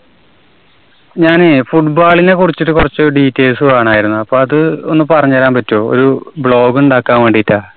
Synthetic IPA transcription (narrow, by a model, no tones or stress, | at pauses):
ɲaːnɨfuʈbaːɭine̞kurit͡ɕːiʈːɨkurɐt͡ɕːoɾuɖiːtːe̞ːsuaːɳaːjiɾunːuɐpːoːɐðɨonːɨpɐrɐɲːuɐlaːmpɐtːo̞ːo̰ɾubɭo̞ːɡuɳɖaːkːaːnʋe̞ːɳɖitːaː